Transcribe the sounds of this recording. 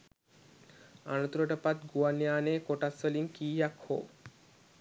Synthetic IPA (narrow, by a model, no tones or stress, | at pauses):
anot̪uɾoʈəpat̪ɡuwanjaːnekoʈasoliŋkiːjakho̰ː